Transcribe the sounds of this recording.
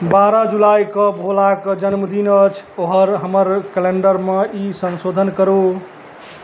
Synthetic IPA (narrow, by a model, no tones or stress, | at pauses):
baɾəd͡ʒulajkəbʱolakəd͡ʒənməd̪inət͡ʃʰoɦəɾɦəməɾkɛleɳɖəɾmeisənsod̪ʱənkəɾo